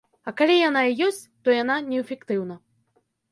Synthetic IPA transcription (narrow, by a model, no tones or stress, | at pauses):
ɐkalʲijanaijɔsʲt͡sʲt̪ɔjananʲɛfʲɛkt̪ɨwnɐ